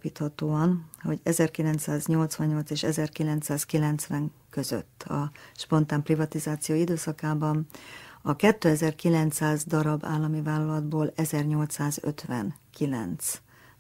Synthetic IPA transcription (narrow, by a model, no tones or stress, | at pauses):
piːt̪hɒt̪oːɒnho̞ɟɛzɛrkilɛnt̪saːzɲo̞lt̪sʋɒɲːo̞lt̪seːʃɛzɛrkilɛnt̪saːskilɛnt̪sʋɛŋkø̞zø̰t̪ːɒ̰ʃpo̞nt̪aːmprivɒt̪izaːt̪sijoːid̪øːsɒkaːbɒnɒkɛt̪ːøːɛzɛrkilɛnt̪saːzd̪ɒɾɒba̰ːlːɒmivaːlːɒlɒd̪boːlɛzɛrɲo̞lt̪saːzø̰t̪ʋɛ̰nkilɛ̰nt̪s